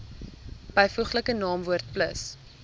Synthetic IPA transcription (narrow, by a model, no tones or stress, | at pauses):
b̥ɛjfuχləkənɑːmvuərt̚pləs